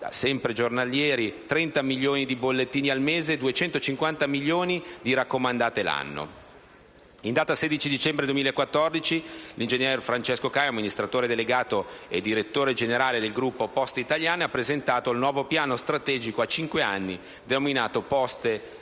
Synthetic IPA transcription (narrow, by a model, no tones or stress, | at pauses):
sɛmpɾed͡ʒornaljɛːɾit̪ɾɛnt̪amiljoːnid̪ibolːet̪ːiːnialmeːzeːd̪uet͡ʃɛnt̪ot͡ʃiŋkwant̪amiljoːnid̪iɾakːomand̪aːt̪ela̰nːo̰ | ind̪aːt̪ased̪it͡ʃid̪it͡ʃɛmbɾed̪uemilaekːwat̪ːɔrd̪it͡ʃilind͡ʒeɲjɛrfɾant͡ʃɛskokajamːinist̪ɾat̪oːɾed̪eleɡaːt̪oed̪iɾet̪ːoːɾed͡ʒeneɾaːled̪elɡɾupːopɔst̪it̪aʎjaːneapːɾezent̪aːt̪oilnwɔːvopjaːnost̪ɾat̪ɛːd͡ʒikoat͡ʃiŋkwea̰nːi | d̪enominaːt̪opɔst̪e